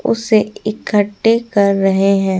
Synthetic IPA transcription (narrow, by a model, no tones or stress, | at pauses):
ʊ̰seɪkəʈːekɐɾːɐɦeɦɛ̃ː